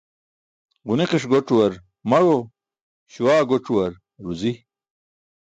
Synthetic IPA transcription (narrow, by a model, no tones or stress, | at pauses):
ʁuneqiʂɡoʈ͡ʂuwɐɾ | mɐɻo | ɕuwaːɡoʈ͡ʂuwɐɾ | ɾuzi